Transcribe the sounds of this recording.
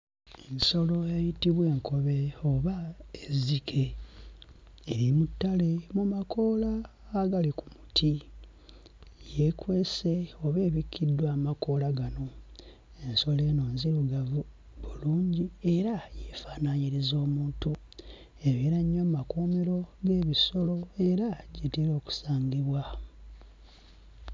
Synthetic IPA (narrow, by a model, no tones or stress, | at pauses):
enso̞lo̞ejitiβwe̞ːŋko̞βe̞oβaezikʰe̞ | ɾimutːale̞mumakʰo̞ːlaː | ɡaliku̥mutʰi | jekwe̞se̞o̞βe̞ːβikʰːidːwaːmako̞laɡano̞ | e̞nso̞le̞ːno̞ːnziɾuɡavu | βuluːɲɟie̞ɾajefaːnaɲiɾizo̞ːmuːntu | e̞βiɾaɲːomakuːmeɾo̞ɡe̞ːβiso̞lo̞e̞ɾaɟetiɾo̞ːku̥saːɲɡiβwa